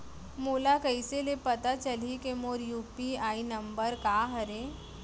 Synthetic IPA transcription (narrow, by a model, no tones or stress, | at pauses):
molakəjselepət̪at͡ʃəlikemoːɾjuːpiaːinəmbəɾkaɦəɾe